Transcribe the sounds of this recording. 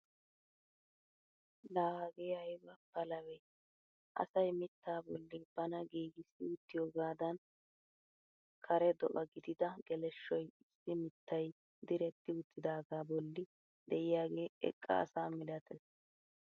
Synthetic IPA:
laːɡeːhɐjbɐpːɐlɐwɛj | ʔɐ̰sɐjmɪt̪ːaːbɔlːɪb̥ɐnɐɡiːɡɪsɪʊt̪ːɪjoːɡaːd̪ɐn | kʰɐɾɛd̪ɔʔɐɡɪd̪ɪd̪ɐɡ̥ɛlɛʃːɔjɪsːɪmɪt̪ːɐj | d̪ɪɾɛt̪ːɪʊt̪ːɪd̪aːɡaːbɔlːɪ | d̪ɛʔɪjaːɡe̞ːɛ̰kʼːɐ̰ɐ̰saːmɪlɐt̪ʰɛs

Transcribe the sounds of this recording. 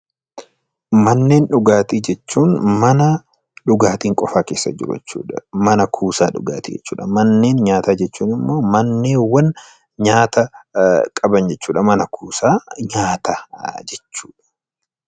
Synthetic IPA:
mɐnːe̞ːnᶑʊɡaːt̪iːd͡ʒɛt͡ʃːuːnmɐnɐ | ᶑʊɡaːt̪iːŋkʼɔfaːkeːsːɐ̰d͡ʒɪ̰ɾʊɛ̰t͡ʃːṵːᶑɐ̥mɐnɐkʰuːsaːᶑʊ̰ɡa̰ːt̪iːd͡ʒɛ̰t͡ʃːṵːᶑɐmɐnːe̞ːnɲaːt̪aːd͡ʒɛt͡ʃːuːnɪmːo̞ːmɐnːe̞ːwɐn | ɲaːt̪ɐkʼɐbɐnd͡ʒɛt͡ʃːuːᶑɐmɐnɐkʰuːsaːɲaːt̪ad͡ʒɛt͡ʃːu̥ːᶑɐ̥

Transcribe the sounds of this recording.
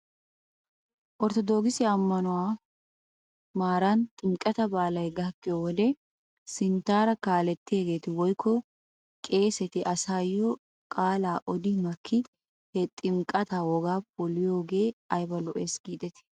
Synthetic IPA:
ʔɔɾt̪ɔd̪oːɡɪsɪɐmːɐnʊwaː | maːɾɐnt̪ʼɪmkʼɐt̪ɐbaːlɐjɡɐkːɪjɔwɔd̪ɛ | sɪnt̪ːaːɾɐkaːlɛt̪ːɪeːɡe̞ːt̪ɪwɔjkʰːɔ | kʼe̞ːsɛt̪ɪʔɐsaːjːɔ | kʼaːlaːʔɔd̪ɪmɐkʰːɪ | hɛt̪ʼɪmkʼɐt̪awɔɡaːp̚ʼʊlɪjo̞ːɡe̞ːɐjbɐlɔʔeːsɡ̥iːd̪ɛt̪ɪ̥

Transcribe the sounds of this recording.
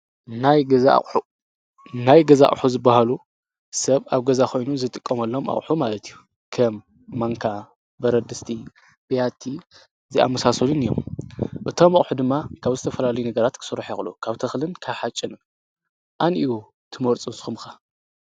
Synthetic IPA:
najɡɐza̰u | najɡɐza̰ʔʼħuzɨbːahalu | sɐβaβɡɐzakʰo̞jnuzɨt̪ʼɨkʼːɐmɐlːomʔa̰χʼħumalɐt̪ʰiju | kʰɐmː | aŋkʰa | bɐɾɐd̪ɨst̪ʰi | b̥ijat̪ʰːi | zia̰mːɐsasɐlunijo̰mʔɨt̪ʰo̞mɐχʼħud̪ɨmːakʰaβzɨt̪ʰɐfɐlalɐjunɐɡɐɾat̪kʰɨ̥sɨɾːħexlṵkʰaβt̪ʰɐxlɨnkʰaβħat͡ʃʼɪnɨm | ʔaniu | t̪ʰɨmɐɾt͡sʼɨnsɨ̥xumxa

